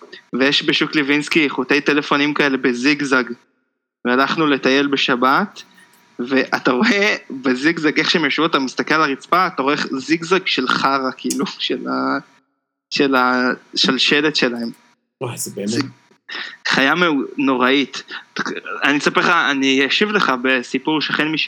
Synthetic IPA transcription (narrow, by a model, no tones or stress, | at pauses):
vejeʃbeʃuklivinskiχut̪e̞jt̪elefo̞nimkae̞le̞be̞ziɡzaɡ | vealaχnule̞t̪aje̞lbe̞ʃabat̪ | ve̞ʔat̪aʁo̞e̞beziɡzaɡeχʃeemjoʃvuat̪amist̪akealalʁit͡spaːt̪aʁo̞eziɡzaɡʃe̞lχaʁakiːluʃela | ʃelaʃalʃe̞letʃe̞lahe̞m | zi | χajameuno̞ʁait̪tḁanit͡sapeχaanijaʃivle̞χabe̞sipuʁʃeχenmiʃ